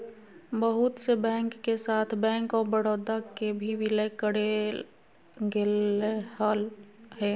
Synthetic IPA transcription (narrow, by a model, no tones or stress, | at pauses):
bəɦʊt̪sebɛ̃ːŋkːesaːt̪ʰbɛ̃ːŋkɔːɾbəɽoːd̪akebʱiʋɪləkəɽe | ɡelehaːlɦɛː